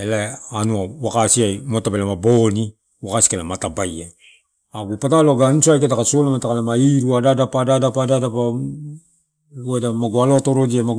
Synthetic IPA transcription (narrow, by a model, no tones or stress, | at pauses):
elaanuawakasiajmotapelamaboni | wakasi̥kelamatabajaj | aɡupataloɡanisoajketakasolamatakalemaiɾuadadapadadapadadapa | edamaɡualotoɾod͡ʒiama